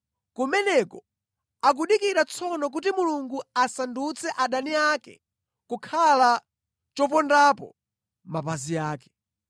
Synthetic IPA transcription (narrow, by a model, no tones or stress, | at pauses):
kumɛnɛkɔ | ak̬uɗikiɾat͡sʰɔnɔk̬utimuluŋɡuasandut͡sʰɛʔaɗaniakɛ̰ | kukʰala | t͡ʃɔp̬ɔndapɔ̰ | mapazijaːkɛ̥